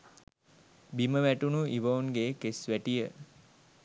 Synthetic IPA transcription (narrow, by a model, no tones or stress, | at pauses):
biməʋæʈunuʔiʋəunɡeːkesʋæʈijə